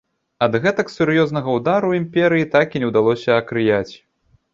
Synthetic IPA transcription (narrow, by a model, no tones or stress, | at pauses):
ɐd̪ɣɛt̪ɐksʲuɾjɔzn̪ɐɣɐwd̪aɾuimpʲɛɾɨjit̪akinʲɛwd̪alˠɔsʲɐɐkɾɨjat͡sʲ